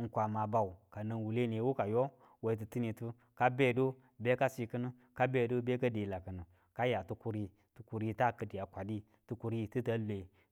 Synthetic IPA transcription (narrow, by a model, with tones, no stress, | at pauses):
ŋ̩˨kʷa˨ma˨ba˨u˨ka˨nɨ˧nwu˨le˦ne˨˦wu˦ka˨jo˦ | we˨i˨˦t̬ɨ˨tɨ˦ni˧tu˦ | ka˦be˦˨do˦ | be˦ka˦si˧kɨ˦nɨ˦ | ka˦be˦˨do˦be˦ka˦de˨la˨kɨ˨nɨ˨ | ka˦ja˨tu˧ku˦ɾi˧ | tu˨ku˨ɾi˦ta˦kɨ˨di˨a˨kʷa˨di˦ | tu˧ku˨ɾi˦tɨ˦ta˦le˨